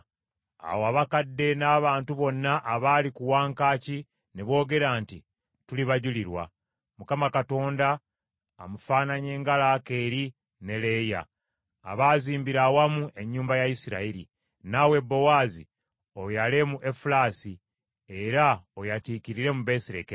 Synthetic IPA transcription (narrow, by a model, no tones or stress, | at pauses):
a̰woaβakadːe̞naːβaːntuβo̞nːaʔaβaːlikuwaːŋkaːci | neβo̞ːɡe̞ɾaːnti | tuliβaɟuliɾwa̰ | mukamakato̞ːnda̰ː | mufaːnaɲe̞ːŋɡalaːke̞ɾi | ne̞leja̰ː | βaːziːmbiɾawamue̞ɲːuːmbajajisiɾa̰iɾḭ | nawe̞bːo̞waːzḭ | o̞jale̞muʔe̞fulaːsi | eɾaojatiːkiɾiɾe̞muβe̞siɾḛke